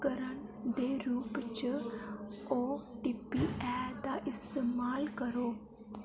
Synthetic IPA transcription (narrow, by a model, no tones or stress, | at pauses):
kəɾəɳd̪eːɾuːpt͡ʃ | oːʈiːpiːɛːd̪aːʔɪst̪eːmaːlkəɾoː